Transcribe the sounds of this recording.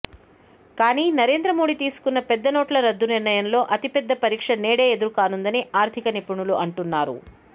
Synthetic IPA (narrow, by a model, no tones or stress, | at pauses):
kaːniːnɐɾe̞ːnd̪ɾɐmo̞ːɽit̪iːsu̥kunːɐpɛd̪ːɐnoːʈlɐɾɐd̪ːuniɾɳɐjɐmlo̞ːʔɐt̪ipɛd̪ːɐpɐɾiːkʂɐneːɽeːed̪uɾukaːnund̪ɐniʔaːɾt̪ʰikɐnipuɳuluʔɐɳʈunːaːɾṵ